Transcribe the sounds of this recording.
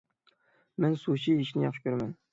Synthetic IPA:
mɛnsuʃiiʃinɪjɑχʃkʲʰøɾmɛn

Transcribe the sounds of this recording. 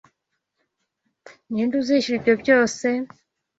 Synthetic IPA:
ɲiːnduziːʃiibjo̞bɟo̞ːse̞

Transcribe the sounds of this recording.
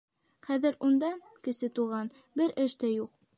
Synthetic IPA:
χæðɘ̆ɾund̪ɑ | kɘ̆sɘt̪uʁɑn | bɘɾʔɘ̆ʃt̪æjuq̚

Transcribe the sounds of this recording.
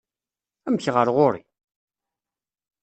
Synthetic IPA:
æmçʁəɾʁoɾḭ

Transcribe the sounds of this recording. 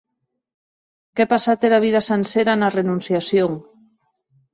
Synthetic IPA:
kepasat̪eɾaβ̞iðasanseɾanarenũnθjasjoŋ

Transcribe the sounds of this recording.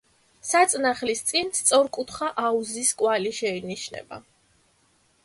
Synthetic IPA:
sat̪sʼnaχlist̪sʼinst̪sʼɔɾkʼut̪ʰχaʔauziskʼwaliʃɛiniʃnɛ̰ba̰

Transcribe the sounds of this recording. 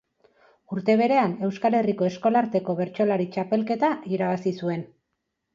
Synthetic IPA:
uɾt̪e̞β̞e̞ɾe̞ane̞wskale̞riko̞e̞sko̞laɾt̪e̞ko̞β̞e̞ɾt͡ʃo̞laɾit͡ʃape̞lke̞t̪aiɾaβasisue̞n

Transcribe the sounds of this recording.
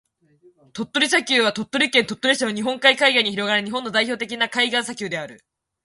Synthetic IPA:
t̪o̞t̪ːo̞ɾʲis̬akʲɨːβat̪o̞t̪ːo̞ɾʲikẽnt̪o̞t̪ːo̞ɾʲiɕnoɲ̟iɦõ̞ŋkaikaiɡaiɲ̟içiɾo̞ɡaɾɯ̟ɲ̟iɦõ̞nːo̞d̪aiço̞ːt̪e̞k̬ʲinakaiɡãɰ̃s̬akʲɨːd̪e̞aɾɯ̟

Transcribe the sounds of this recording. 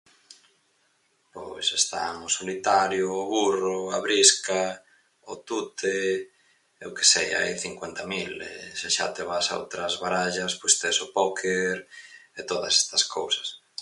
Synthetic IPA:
pojsest̪a̰ŋʊsolit̪aɾjʊːβurʊaβɾiska | ʊt̪ut̪e | ḛwke̥seja̰a̰jθiŋkwent̪ɐmilḛseʃa̰t̪eβasao̰wt̪ɾɐzβaɾaʎɐspojst̪esʊpokʰeɾet̪oðɐ̰se̥st̪ɐskʰowsɐ̥s

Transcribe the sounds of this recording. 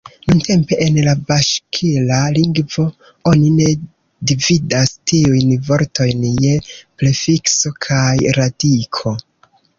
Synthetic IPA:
nunte̞mpe̞ʔenlabaʃkʰilaliŋɡvo̞ | o̞nine̞ | dividastiujnvo̞ɾto̞jnje̞plefikso̞kʰajɾadikʰo̞

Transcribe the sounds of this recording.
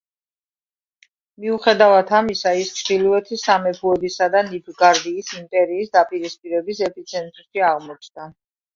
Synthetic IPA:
miuχɛd̪avat̪ʰamisaisχiluɛt̪ʰisamɛpʰuɛbisad̪anipʰɡaɾd̪iːsimpʼɛɾiːsd̪apʼiɾispʼiɾɛbisɛpʰit̪sʰɛnt̪ʼɾʃiaʁmɔt͡ʃʰd̪a

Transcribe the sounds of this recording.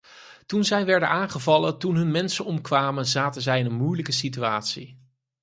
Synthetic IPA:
tunzɛjʋɛɹdənaːnχəvɑləntunɦɵnmɛnsənɔmkʋaːmənzaːtənzɛjɪnənmujləkəs̬ityaːtsḭ

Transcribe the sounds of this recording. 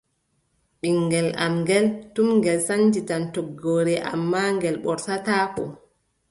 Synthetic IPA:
ɓiŋːɡɛla̰mŋɡɛltumŋɡɛlsand͡ʒitantɔɡːoːɾɛʔa̰mːaŋɡɛlɓɔɾsataːkɔ

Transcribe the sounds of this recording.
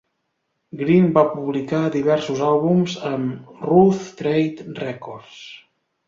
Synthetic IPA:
ɡɾinbapuβlikad̪iβɛɾsuzalˠβumzəmruθt̪ɾejt̪rɛkɔɾs

